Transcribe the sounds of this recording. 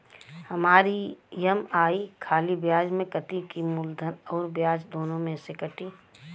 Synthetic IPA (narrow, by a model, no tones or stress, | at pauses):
hɐmaːɾijɐmaːikʰaːlibjaːd͡ʒmẽkɐt̪ikimʊld̪ʱənɔːɾbjaːd͡ʒd̪oːnõmẽsekɐʈiː